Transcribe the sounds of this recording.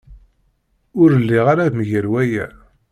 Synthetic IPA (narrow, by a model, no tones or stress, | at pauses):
ʊɾəlːiʁaɾaðməʝəɾwæjæ̰